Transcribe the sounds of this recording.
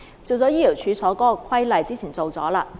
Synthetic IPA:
t͡so˨wt͡sɔː˨˥jiː˥li˨˩wt͡ʃʰyː˨˧sɔː˨˥kɔː˥kʰɐ˥jlɐ˨˧jt͡siː˥t͡sʰiː˨˩nt͡so˨wt͡sɔ̰ː˨˥laː˧

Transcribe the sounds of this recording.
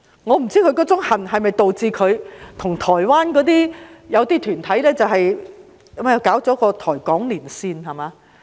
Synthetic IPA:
ŋɔː˨˧m̩˨˩t͡siː˥kʰɵ˨˧ɥkɔː˨˥t͡sʊ˨˥ŋhɐ˨˩nhɐ˨jmɐ˨jt̪o˨wt͡siː˧kʰɵ˨˧ɥt̪ʰʊ˨˩ŋt̪ʰɔː˨˩jwaː˥nkɔː˨˥t̪̬iː˥jɐ˨˧wt̪iː˥t̪ʰyː˨˩nt̪ʰɐ˨˥jlɛː˥t͡sɐ˨wɦɐ˨j | mɛ˥˧˨kaː˨˥wt͡sɔ˨˥kɔː˧t̪ʰɔː˨˩jkɔː˨˥ŋliː˨˩nsiː˧nhɐ˨jmaː˨˧

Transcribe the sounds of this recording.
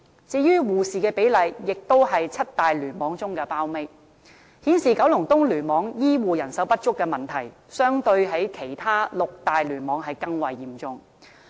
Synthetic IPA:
t͡siː˧jyː˥wuː˨˩siː˨˩kɛː˧pe˨˥jlɐ˨˧jːɪ˨k̚t̪o˥wɦɐ˨jt͡sʰɐ˥t̚t̪aː˨jlyː˨˩nmɔː˨˥ŋt͡sʊ˥ŋkɛː˧paː˥wme˥j | hiː˨˥nsiː˨kɐ˨˥wlʊ˨˩ŋt̪ʊ˥ŋlyː˨˩nmɔː˨˧ŋjiː˥wuː˨jɐ˨˩nsɐ˨˥wpɐ˥t̚t͡ʃʊ˥kːɛː˧mɐ˨nt̪ʰɐ˨˩j | sœː˥ŋt̪ɵ˧ɥɦɐ˨˥jkʰe˨˩jt̪ʰaː˥lʊ˨k̚t̪aː˨jlyː˨˩nmɔː˨˧˥ŋɦɐ˨jkɐ˧ŋwɐ˨jːiː˨˩mt͡sʊ˨ŋ

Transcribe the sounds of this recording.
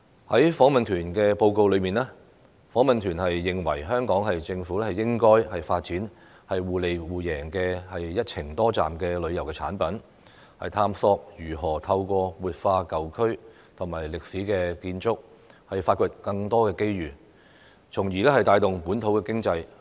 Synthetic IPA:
hɐ˨˥jfɔː˨˥ŋmɐ˨nt̪ʰyː˨˩nkɛː˧po˧wko˧wlɵ˨˧ɥmiː˨nɛː˥ | fɔː˨˥ŋmɐ˨nt̪ʰyː˨˩nhɐ˨jːɪ˨ŋwɐ̰˨˩jɦœː˥ŋkɔː˨˥ŋɦɐ˨jt͡sɪ˧ŋfuː˨˥lɛ˥hɐ˨jɪ˥ŋkɔː˥jhɐ˨jfaː˧t̚t͡siː˨˥n | hɐ˨jwuː˨le˨jwuː˨jɛː˨˩ŋkɛː˧hɐ˨jːɐ˥t̚t͡sʰɪ˨˩ŋt̪ɔː˥t͡sa̰ː˨mkɛː˧lɵ˨˧ɥjɐ˨˩wkɛː˧t͡sʰa̰ː˨˥npɐ˨˥n | hɐ̰˨jt̪ʰaː˧msɔː˧k̚jyː˨˩ɦɔː˨˩t̪ʰɐ˧wkʷɔː˧wuː˨t̚faː˧kɐ˨˩wkʰɵ˥ɥ | t̪ʰʊ˨˩ŋmaː˨˩jlɪ˨k̚siː˨˥kɛː˧kiː˧nt͡sʊ˥k̚ | hɐ˨jfaː˧t̚kʰɵ˧t̚kɐ˧ŋt̪ɔː˥kɛː˧ke˥jɥyː˨˩ | t͡sʰʊ˨˩ŋjiː˨˩lɛː˥hɐ˨jt̪aː˧jt̪ʊ˨ŋpuː˨˥nt̪ʰo˨˥wkɛː˧kɪ˥ŋt͡sɐ˧j

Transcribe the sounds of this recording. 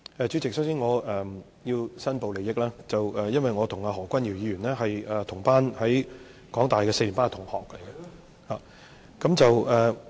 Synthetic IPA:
ɛː˨˧t͡ʃyː˨˥t͡sɪ˨k̚sɐ˨˥wsiː˥nŋɔː˨˧ɛː˨ | jiː˧wsɐ˥npo˨˧wle˨jɪ˥k̚laː˥t͡sɐ˨wɛː˨jɐ˥nwɐ˨jŋɔː˨˧t̪ʰʊ˨˩ŋaː˧ɦɔː˨˩kʷɐ˥nji˨˩wjiː˨˧jyː˨˩nɛː˥ɦɐ˨jɛː˨t̪ʰʊ˨˩ŋpaː˥nhɐ˨˥j | kɔː˨˥ŋt̪aː˨jkɛː˧se˧jli˨˩npaː˥t̪ʰʊ˨˩ŋhɔː˨k̚lɐ˨˩jɡɛ˧ | haː˨ | kɐ˨˥mt͡sɐ˨wʔɛː˨˩

